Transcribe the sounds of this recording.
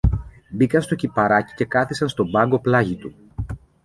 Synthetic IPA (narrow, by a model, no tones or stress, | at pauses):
bikɐnst̪o̞cipɐɾɐci̥ce̞kɐθisɐnst̪o̞bɐŋɡo̞plɐʝit̪u